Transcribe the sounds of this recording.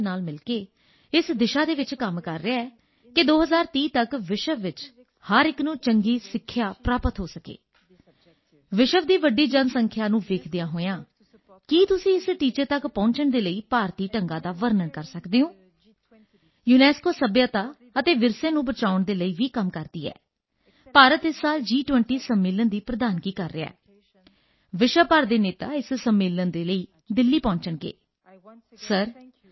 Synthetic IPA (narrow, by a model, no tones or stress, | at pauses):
naːlmɪlkeː | ɪsd̪ɪʃaːd̪eːʋɪt͡ʃkəmkəɾːeaɛː | kɪd̪oːɦəzaːɾt̪iːt̪əkʋɪʃəʋʋɪt͡ʃ | həɾɪknũːt͡ʃəŋɡiːsɪkʰːjaːpɾaːpət̪ɦoːsəkḛː | ʋɪʃəʋd̪iːʋəɖiːd͡ʒənsəŋkʰjaːnũːʋeːkʰd̪ɪjãːɦoːjãː | kiːt̪ʊsĩːɪsʈiːt͡ʃəɾt̪əkpɔ̃ːɲt͡ʃəɳd̪eːləiːpaːɾt̪iːʈəŋɡaːd̪aːʋəɾnənkəɾsəkd̪eːõː | juːnɛːskoːsəbjaːt̪aː | ət̪eːʋɪɾsẽːnũːbət͡ʃaːʋəɳd̪eːləiːʋiːkəmkəɾd̪ḭːɛ̰ː | paːɾət̪ɪsːaːld͡ʒiːʈʋɛɳʈiːsəmːɪːlənd̪iːpɾəd̪aːnkiːkəɾːea̰ː | ʋɪʃəpəɾd̪eːneːt̪a̰ːɪssəmːɪːlənd̪eːləiː | d̪ɪlːiːpɔ̃ːɲt͡ʃəɳkḛː | səɾ